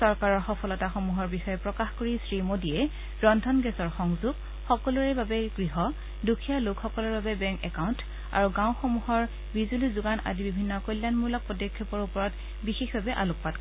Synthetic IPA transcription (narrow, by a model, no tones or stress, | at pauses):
sɔɹkaɹɔɹxɔpʰɔlɔtaxomuɦɔɹbixɔjɔpɹɔkaxkoɹisɹimodiɛ | bɹɔndʱɔnɡɛsɔɹxɔŋzuɡ | xɔkɔluɹɛbabɛɡɹiɦɔ | dukʰijalʊkxɔkɔlɔɹbabɛbɛŋkɛkaunt | a̰ɹuɡãʊ̃xomuɦɔɹ | bizulizʊɡanʔa̰dibibʱinːɔkojlːjanmulɔk̚pɔdɔkʰːɔpɔɹupɔɹɔt | bixexbabɛʔaluk̚pat̚k